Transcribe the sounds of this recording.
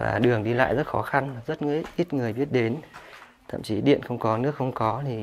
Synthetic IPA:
va̰ː˨˩ɗɨ˨˩əŋɗi˧la̰ː˧˨jzə˦˥t̚xɔ˨˦xa˧nzə˦˥t̚ŋɨ˧˥jʔi˦˥t̚ŋɨ˨˩əjɓi˦˥ət̚ɗe˨˦n | t̪ʰə̰˧˨mt͡ɕi˨˦ɗḭ˧˨ənxə˧wŋ͡mkɔ˨˦nɨ̰˦˥ək̚xə˧wŋ͡mkɔ˨˦t̪ʰi˨˩

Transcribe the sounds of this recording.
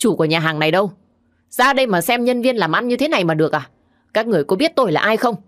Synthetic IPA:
t͡ɕu˧˩ku˧˩ɲaː˨˩ɦaː˨˩ŋna˨˩jɗə˧w | zaː˧˨˧ɗə˧jmaː˨˩sɛ˧mɲə˧nvi˧ənlaː˨˩mʔa˧nɲɨ˧t̪ʰe˨˦na˨˩jmaː˨˩ɗɨ˨˩ək̚ʔaː˨˩ | kaː˦˥k̚ŋɨ˨˩əjkɔ˨˦ɓi˦˥ət̚t̪o˧˩jlaː˨˩ʔaː˧jxə˧wŋ͡m

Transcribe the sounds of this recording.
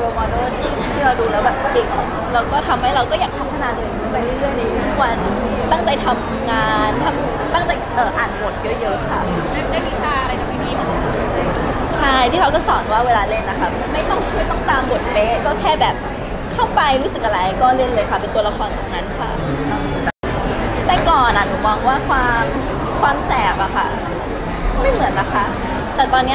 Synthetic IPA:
ɾoː˧mɔː˧noː˥˩t̪ʰiː˥˩˨t̪ʰiː˥˩ɾa˧wduː˧lɛː˦˥wbɛː˨˩p̚pʰːli˨˩kʰɔ˨˩˦la˧wkɔː˥˩t̪ʰa˧mha˥˩jɾa˧wkɔː˥˩jaː˨˩k̚t̪ʰaː˧˥˩mk̪ʰa˧naː˨˧˥nnɯ˨˩ŋkʰa˥˩npa˧jɾu˥˩˨jɾɯ˥˩əjna˧jʰu˥˩kwa˧n | t̪aː˥˩ŋt͡ɕa˧jt̪ʰa˧m | ŋaː˧nt̪ʰa˧m˨˩t̪a˥˩ŋt͡ɕa˧jʔɤː˨˩ʔaː˨˩nbo˨˩t̪̚jɤ˦˧˥jɤ˦˥kʰa˦˥ | ma˥˩˧a˥˩ki˦˥˩saː˥˩ʔa˧ɾa˧jt͡ɕa˨˩ma˥˩jmiː˧ʔa˧˨˩o˨˩˧du˨˩t̪̚eː˧˩˧ | t͡ɕʰa˥˩jt̪ʰiː˥˩kʰa˦˥wkɔː˥˩sɔː˩˦nwaː˥˩weː˧laː˧le˥˩nːa˦˥kʰa˦˥p̚ma˥˩jt̪ɔ˥˩ŋʰ˥˩ma˥˩jt̪ɔ˥˩ŋt̪aː˧mbu˨˩ət̪̚peː˦˥kɔː˥˩kʰɛː˥˩bɛː˨˩p̚ | kʰa˥˩wpa˧jɾuː˦˥sɯ˨k̚ʔa˧a˧jkɔː˥˩le˥˩nlɤː˧jkʰa˦˩pe˧nt̪u˧ɐ˧la˧˥kʰɔː˧nkʰɔː˨˦ŋna˧˥nkʰa̰˥˩˧ | t̪ɛ˨˩kɔː˨˩nʔa˨˩ɾu˧˥˩faː˧˩ŋwaː˥˩kʰwaː˧m | kʰwaː˧msɛː˨˩p̚ʔa˨˩kʰa˥˩ | ma˥˩jmɯ˨˩˦ənːa˦˥kʰa˥˩ | t̪ɛː˨˩t̪ɔː˧nːi˦˥

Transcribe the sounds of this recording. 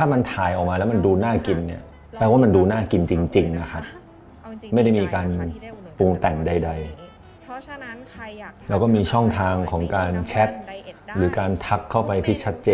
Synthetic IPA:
t̪ʰaː˥˩ma˧nt̪ʰaː˩˦jʔɔː˨˩k̚maː˧lɛː˦˥ma˧nduː˧naː˥˩ki˧nːi˥˩ɐ | pɛː˧waː˥˩ma˧nduː˧naː˥˩ki˧nt͡ɕi˧ŋt͡ɕi˧ŋna˦˥kʰa˦˥ | ma˥˩jda˥˩jmiː˧kaː˧npu˧ŋt̪ɛ˨˩ŋda˧jda˧j | ɾɛː˦˥wkɔ˥˩miː˧t͡ɕʰɔ˥˩ŋt̪ʰaː˧ŋkʰɔː˩˦ŋkaː˧nt͡ɕʰɛ˦˥t̪̚ɾɯː˩˦kaː˧nt̪ʰa˦˥kʰːa˥˩wpa˧jt̪ʰiː˥˩t͡ɕʰa˦˥t̪̚t͡ɕeː˧

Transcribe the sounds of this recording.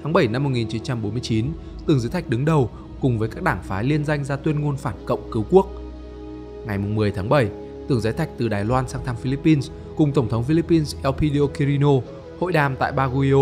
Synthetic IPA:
t̪ʰaː˨˦ŋɓə˧˩jna˧mː˨˩t̚ŋi˨˩nt͡ɕi˨˦nt͡ɕa˧mɓo˨˦nmɨ˧ət͡ɕi˨˦n | t̪ɨ˨˩əŋzɨ˨˦t̪ʰa˨˩k̚ɗɨ˨˦ŋɗə˨˩w | kʊ˨˩ŋ͡mvəː˨˦jkaː˦˥k̚ɗaː˧˩ŋfaː˨˦li˧ənza˧jŋ̟zaː˧t̪wi˧ənŋo˧nfaː˧˩nkə̰˧˨wŋ͡mkɨ˨˦wku˦˥ək̚ | ŋa˨˩jmʊ˨˩ŋ͡mmɨ˨˩əjt̪ʰaː˨˦ŋɓə˧˩j | t̪ɨ˨˩əŋzaː˨˦jt̪ʰa˨˩k̟̚t̪ɨ˨˩ɗaː˨˩jlwaː˧nsaː˧ŋt̪ʰa˧mfi˧li˦˥pːi˧ns | kʊ˨˩ŋ͡mt̪ə˧˩wŋ͡mt̪ʰə˨˦wŋ͡mfi˧li˦˥pːi˧nsʔɛ˧wpʰi˧ɗi˧o˧ki˧ɾi˧no˧ | ho̰˧˨jɗaː˨˩mt̪a̰ː˧˨jɓaː˧ɣu˧i˧o˧

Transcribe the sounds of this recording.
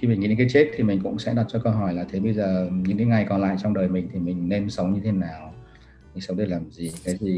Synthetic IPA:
xi˧mi˨˩ŋːi˧˦e˧˥kːjt͡ɕe˦˥t̚t̪ʰi˨˩mï˨˩ŋ̟kʊ̰˧˥ŋ͡msɛ̰˧˥ɗa˨˩t͡ɕɔ˧kə˧wɦɔ˧˩jlaː˨˩t̪ʰe˨˦ɓə˧jzəː˨˩ɲɨ̰˧˥ŋkeː˨˦ŋa˨˩jkɔ˨˦nla̰ː˧˨jt͡ɕɔ˧ŋ͡mɗəː˨˩jmï˨˩ŋ̟t̪ʰi˨˩mï˨˩ŋ̟ne˧msə˨˦wŋ͡mɲɨ˧t̪ʰe˨˦naː˨˩w | mï˨˩ŋ̟sə˨˦ŋ͡mɗə˨˩laː˨˩mzi˨˩kaː˨˦jzi˨˩

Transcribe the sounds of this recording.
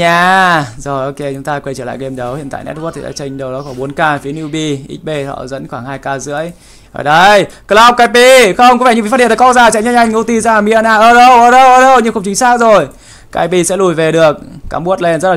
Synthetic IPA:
ɲaː˧˩zo˨˩jʔo˧ke˧t͡ɕʊ˨˦ŋ͡mt̪aː˧kwe˧˩t͡ɕəː˧˩la̰ː˧˨jɣe˧mɗə˨˦whḭ˧˨nta̰ː˧˨nɛ̰˦˥t̚wt̚t̪ʰi˨˩ɗa̰ː˧˥t͡ɕə˧jŋ̟ɗə˨˩wɗɔ˨˦xɔː˧˩ɓo˨˦nkaː˧fi˨˦ə˦ni˧ɓi˧ʔḭ̟˦˥ɓe˧hɔ̰˧˨zə̰˧˥nxwaː˧˩ŋhaː˧jkaː˧zɨ̰˧˥əj | o̰˧˨˩ɗə˧jkə˧˦la˧˦k͡p̚kaː˨˦jpi˧xə˧wŋ͡mkva˧˩ɲɨ˧vi˧˨fa˦˥i˧˨˧kɔ˧˥zaː˨˩t͡ɕa̰˧˨ɲa˧˥ʔa˧jŋ̟ŋʔu˧˥t̪i˧˩zaː˧a˨˩mi˧˥ʔaː˧˩nʔaː˧˩ʔəː˧ɗə˧wʔəː˧ɗə˧wʔəː˧˩ɗə˧wɲɨ˧ŋxə˧wŋ͡mt͡ɕï˨˦ŋsaː˦˥k̚zo˨˩j | kaː˨˧˦jpi˧sɛ̰˧˥lu˨˩jve˨˩ɗɨ˨˩ək̚ːaː˨˦mɓu˦˥t̚le˧nzə˦˥tlaː˨

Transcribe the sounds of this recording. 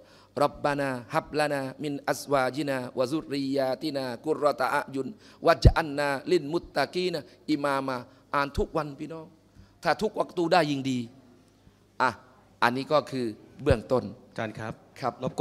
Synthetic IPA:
ɾɔ˧˩p̚ba˧naː˧ha˧˩p̚la˧naː˧mi˧nʔa˧swaː˧d͡ʒi˧˦naː˧wa˧zu˦rɾi˧jaː˧t̪i˧˨naː˧ku˧ɾɔː˧t̪a˧ʔa̰˧ʔju˧nwa˧d͡ʒa˧ʔa˧nːaː˧li˧˩nmu˧˦t̪ːa˧kiː˧˦˨na˨˧ʔi˧maː˧maː˧ | ʔaː˧nt̪ʰu˦˥k̚wa˧npʰiː˧nɔː˦˥˩ŋ | t̪ʰaː˥˩t̪ʰu˦˥k̚wa˧k̚t̪uː˧daː˥˩jːi˧ŋdiː˧ | ʔa˧˩ | ʔa˧nːiː˦˥kɔː˥˩kʰɯː˧bɯ˥˩əŋt̪o˥˩na˧a˦p̚kʰa˦˥p̚

